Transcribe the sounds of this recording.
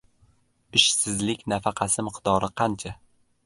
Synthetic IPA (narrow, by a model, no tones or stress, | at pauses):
ɪʃsɪzlɪkʲnafɑqʰɑsɪmɪqd̪ɒɾɨqʰɑnt͡ʃʰa